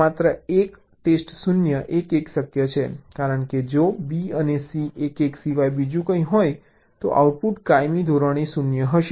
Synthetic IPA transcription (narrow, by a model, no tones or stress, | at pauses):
at̪ɾəek | ʈesʈsunjəʔekeksəkjət͡ʃʰekaɾəɳked͡ʒobiənesiʔekeksiʋajbid͡ʒũkə̃ĩɦoj | t̪o̰ʔa̰wʈ̚puʈkajmid̪ʱoɾəɽ̃isunjəɦəʃe